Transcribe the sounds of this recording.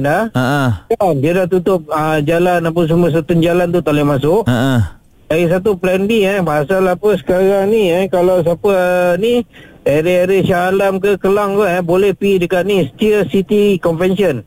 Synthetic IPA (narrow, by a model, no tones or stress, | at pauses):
naəʔkanbiadaht̪ut̪ʊp̚əd͡ʒalanap̬əs̬uməs̬ət̪ənd͡ʒalant̪ut̪alemas̬ʊʔʔ | daɡis̬at̪̬uplɛnbiɛbaɦasalapəsə̥kaɾaŋniɛkalaws̬apəni | eɾeeɾəsalamkəkəlaŋkəɛbolɛhpidəkat̪̚nisə̥t̪iəsit̪ikɔnfɛnsiən